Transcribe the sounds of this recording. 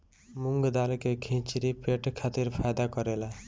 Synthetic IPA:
muŋɡd̪alkekʰĩt͡ʃɾipeʈkʰat̪iɾpʰajd̪akʌɾela

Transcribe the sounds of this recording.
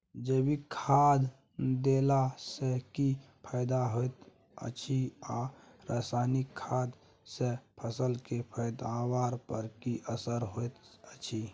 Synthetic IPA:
d͡ʒəbikʰad̪ | d̪elasekipʰəɪd̪aɦojt̪ | ə̰t͡ʃʰia | ɾaːsanikʰːaːd̪ | sepʰəsəlkepʰəd̪awaːɾpəɾkiʔəsəɾɦojt̪ət͡ʃʰi

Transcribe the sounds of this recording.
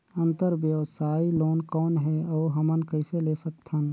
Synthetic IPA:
ə̃nt̪əɾʋjəwsaːiloːnkɔːnɦɛɔːɦɐmənkəɪseleːsək̚t̪ʰən

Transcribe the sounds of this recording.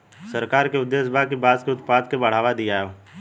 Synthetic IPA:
səɾkaːɾkeʊd̪ːeːsbʱakibaːzkeʊt̪paːd̪kebɐɽ̤aːʋad̪ijaːjoː

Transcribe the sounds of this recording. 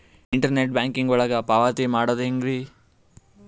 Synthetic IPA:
iɳʈɐɾneʈ̚baːŋkiŋɡɔɭɐɡɐpaːʋaːt̪imaːɽoːd̪iŋɡɾi

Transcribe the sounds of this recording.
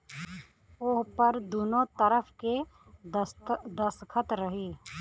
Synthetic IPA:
ʊɦpɐɾd̪oːnõt̪əɾəfʰke | d̪əskʰət̪ɾəɦiː

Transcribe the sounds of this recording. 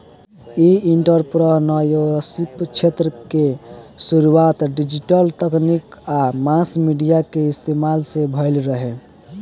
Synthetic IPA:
iiɳʈəɾpɾənəjoɾəsipt͡ʃʰet̪ɾəkesuɾuat̪ɖid͡ʒiʈəlt̪əknikamãsmiɖijakeist̪emalsebʱəɪlɾəɦe

